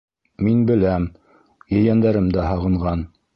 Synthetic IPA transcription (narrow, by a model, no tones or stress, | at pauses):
minbɘ̆læm | jɵ̆jænd̪æɾɘmd̪æɦɑʁɤ̆ɴʁɑn